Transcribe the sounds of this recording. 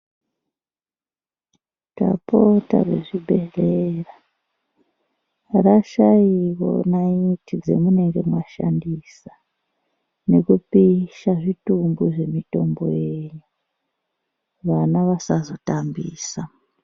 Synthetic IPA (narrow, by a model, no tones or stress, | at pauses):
ta̰pota̰rḛʐibʱe̞rera | raʃaiwo̞̰naitʰid͡ze̞̰mune̞ŋɡe̞mwaʃa̰ndisa | ne̞kupiʃaʐitumbuʐe̞mito̞mbo̞̰jeɲu | ʋanaʋasazo̞tambiːsa